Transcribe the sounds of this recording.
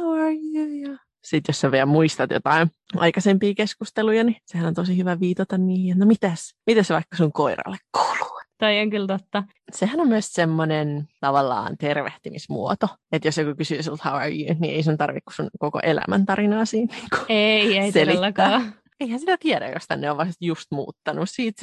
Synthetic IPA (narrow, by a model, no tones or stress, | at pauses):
hɑwɑɹjujɑ | sit̪josseʋiæmuist̪ɑt̪jo̰t̪ɑin | ʔɑ̰ikɑsempiːkeskust̪elujɑnisehænont̪osihyʋæʋiːt̪ɑt̪ɑnniːiet̪nomit̪æsmit̪æseʋɑikːɑsuŋkoirɑ̰lːekku̥lu̥t̪oioŋkylt̪ot̪ːɑ | sehænommyøssemːonent̪ɑʋɑlːɑ̰ːnt̪erʋḛht̪ymismṵot̪oet̪josjokukysysult̪hɑwɑ̰jḭːnt̪nḭʔeisunt̪ɑrʋḭkːu̥sunkoko̰ʔelæ̰mʔæ̰nt̪ɑɾinɑːsiːnni̥ːŋku̥eieiseliːɑkːæː | eihænsit̪æt̪iæɾæ̰jo̰st̪æ̰nneoʋʋɑst̪just̪mṵːt̪ːɑnussiːt̪